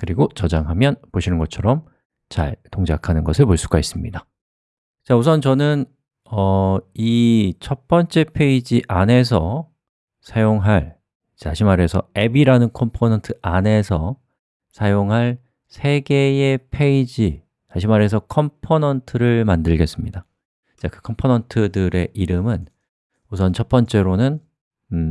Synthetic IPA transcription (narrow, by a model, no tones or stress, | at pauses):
kɯɾiɡot͡ɕʌd͡ʑaŋɦamjʌnpoɕʰinɯnɡʌt͡ɕʰʌɾʌm | t͡ɕa̰ɭtoŋd͡ʑakʰanɯnɡʌsʰɯɭpoɭs͈uɡais͈ɯmɲida | t͡ɕaus̬ʰʌnt͡ɕʌnɯn | ʌit͡ɕʰʌp͈ʌnt͡ɕ͈e̞pʰe̞id͡ʑiʔane̞s̬ʰʌ | sʰajoŋɦaɭ | aɕʰimaɾe̞sʰʌe̞biɾanɯnkʰʌmpʰonʌntʰɯʔane̞sʰʌ | sʰajoŋɦaɭ | sʰe̞ɡe̞e̞pʰe̞id͡ʑi | aɕʰimaɾe̞s̬ʰʌkʰʌmpʰonʌntʰɯɾɯɭmandɯɭɡe̞s͈ɯmɲida | t͡ɕakɯkʰʌmpʰonʌntʰɯdɯɾe̞ʔiɾɯmɯn | usʰʌnt͡ɕʰʌp͈ʌnt͡ɕ͈e̞ɾonɯn